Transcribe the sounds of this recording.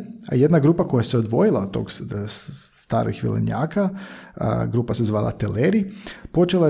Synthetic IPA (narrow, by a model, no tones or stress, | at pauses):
a̰jed̪naɡɾuːpako̞jaseo̞d̪ʋo̞jilˠaot̪t̪ːo̞̰ɡ | st̪a̰ːɾḭxʋḭlḛɲa̰ːka | ɡɾuːpasezʋaːlˠa̰t̪eleɾipo̞t͡ʃela